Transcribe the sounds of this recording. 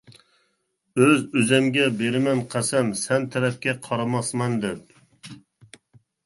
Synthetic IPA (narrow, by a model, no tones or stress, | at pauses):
øzøzɛmɡʲɛbeɾɪmɛnqʰæsɛmsɛnt̪ʰɛɾɛp̚kʲɛqʰɑɾɑmɑsmɑnd̪ɛp̚